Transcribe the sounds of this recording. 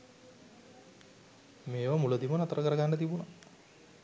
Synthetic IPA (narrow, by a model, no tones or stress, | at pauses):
meːʋamuləd̪imənat̪əɾəkəɾəɡanːət̪ibuna